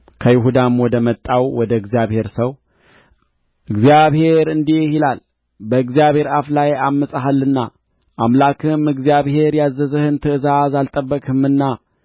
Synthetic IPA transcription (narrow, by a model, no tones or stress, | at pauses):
kʰəjɪɦud̪amwɔd̪əmət̪ʼːawwɔd̪əɨɡzijaβhe̞ɾsəw | ʔɨɡzijaβhe̞ɾɨnd̪iehilal | bəɨɡzijaβhe̞ɾaflajamːəsʼaɦalːɨnːa̰ | ʔamlakʰɨmɨɡzijaβhe̞ɾjazːəzəhɨnt̪ʰɨɨzazalt̪ʼəbːəkʼɨmɨnːa